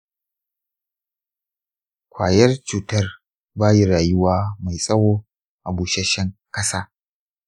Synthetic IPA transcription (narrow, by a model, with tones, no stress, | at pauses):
kʷʰaː˨jɐ˦rt͡ʃuː˨tɐ˦r | baː˦ji˦ɾaː˨jʊ˦waː˦ma˨jsʼɐ˦woː˦ | ʔa˨buː˨ʃɛ˦ʃɛ˦ŋkɐ˦saː˦